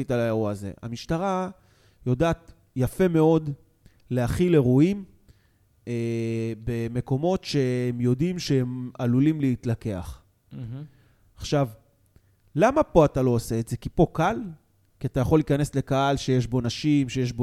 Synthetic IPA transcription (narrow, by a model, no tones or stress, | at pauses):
italajauaze̞̰ʔa̰miʃtaʁa | jo̞daːt | jafe̞me̞o̞d | lehaχileʁuim | ebe̞me̞ko̞mo̞tʃe̞emjo̞dimʃeemalulimleitlake̞a̰χ̩ | aχʃav | lamapo̞atalo̞ose̞ːtze̞kipo̞kal | kiatajaχo̞likane̞sle̞kaalʃe̞jeʃbo̞naʃimʃe̞jeʃ̬bo